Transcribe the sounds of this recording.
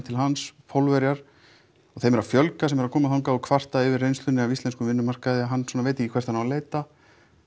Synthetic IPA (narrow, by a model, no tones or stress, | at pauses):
t̪ʰɪlɦanspʰolvɛɾjaɾ̥ | ɔɣθejmɛɾafjœlkasɛmɛɾakʰɔːmaθawŋkaɔkʰvar̥t̪aɪvɪɾrːejnst̪ʏnːɪavist̪ɛnskʏmvɪnːʏmar̥kaðɪaɦanːsɔːnavejt̪ɪcːikʰɛ̥t̪anːaleːjt̪a